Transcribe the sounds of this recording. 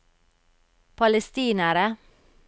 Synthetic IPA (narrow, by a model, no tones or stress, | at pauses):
pʰɑləst̪iːnəɾə